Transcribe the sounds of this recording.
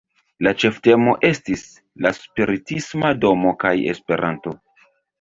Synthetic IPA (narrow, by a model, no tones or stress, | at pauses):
lat͡ʃe̞fte̞mo̞ʔe̞stis | laspiɾitismado̞mo̞kaje̞̰spe̞ɾʔanto̞